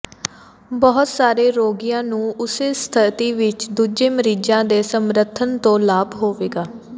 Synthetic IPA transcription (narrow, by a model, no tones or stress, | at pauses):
bɔɦt̪saːɾeːɾoːɡijãːnũːʊseːst̪ʰət̪iːʋɪt͡ʃd̪uːd͡ʒeːməɾiːd͡ʒãːd̪eːsəmɾət̪ʰənt̪õːlaːbɦoːʋeːɡaː